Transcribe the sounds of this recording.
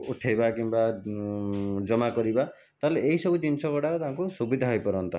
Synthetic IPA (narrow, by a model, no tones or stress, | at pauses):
uʈʰajbakimba | d͡ʒɔmakɔɾiba | t̪aleːisɔbut͡ʃimsɔkɔɽaɾt̪aɦãŋkusubid̪ʱaɦɔjpɔɾɔnt̪ɔ